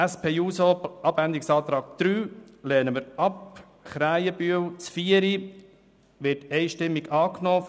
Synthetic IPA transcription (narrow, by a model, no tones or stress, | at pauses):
æspʰeːjuːsoɑbænd̪ɪksɑːt̪ɾɑːɡ̚d̪̥ɾyːlɛːnəməɾɑp | χɾæɪəbyəwt͡sfiəɾi | ʋɪtɛɪʃtɪmːiɡɑːknoː